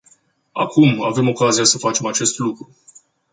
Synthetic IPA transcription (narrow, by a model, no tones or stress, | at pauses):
a̰kʰuma̰ve̞mo̞kaziasəfat͡ʃe̞mat͡ʃe̞st̪lukɾu